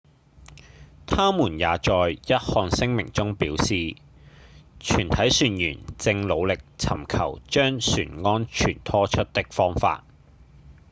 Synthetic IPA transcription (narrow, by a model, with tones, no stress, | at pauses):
t̪ʰaː˥muː˨˩njaː˨t͡ʃɔː˨˧jjɐ˥t̚hɔː˧ŋsɪ˥ŋmɪ˨˩ŋt͡sʊ˥ŋpiː˨˥wsiː˨ | t͡ʃʰyː˨˩nt̪ʰɐ˨˥jsyː˧njy̰ː˨˩nt͡sɪ˧ŋlo˨˧wlɪ˨k̚t͡sʰɐ̰˨˩mkʰɐ̰˨˩wt͡ʃœː˥ŋsy̰ː˨˩nŋɔː˥nt͡ʃʰy̰ː˨˩nt̪ʰɔː˥t͡ʃʰɵ˥t̚t̪ɪ˥k̚fɔː˥ŋfa̰ː˧t̚